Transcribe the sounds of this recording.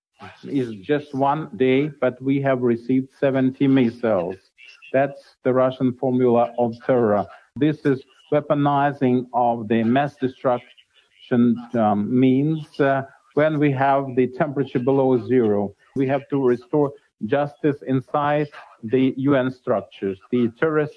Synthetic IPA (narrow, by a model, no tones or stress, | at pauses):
ɪzd͡ʒʌst̚wʌ̃ndeɪb̥ʌt̚wiɨvɹɨsivd̥sɛvɨ̃ntʰimesɛlˠz̥ | ðætsðɨɹʌʃə̃nfɔɹmjulˠəʔʌv̥sʰɛɹɹə | ðɪsɪz | wɛpənaɪzɪ̃ŋʌvðɨmæsd̥ɨstɹ̥ʌk | ʃɨ̃n | mĩnz | wɨ̃nwiəvðɨtʰɛ̃mpɹɨt͡ʃə˞bəloʊzɪɹoʊ | wiɦæv̥tɨɹɨstɔɹ | d͡ʒʌstɨsɪ̃nsaɪd̪̚ðɨjuɛ̃nstɹ̥ʌk̚t͡ʃə˞zðɨtʰʊɹɨs